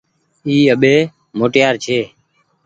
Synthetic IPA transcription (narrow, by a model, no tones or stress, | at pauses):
iːəɓeː | moːʈjaːɾt͡ʃʰeː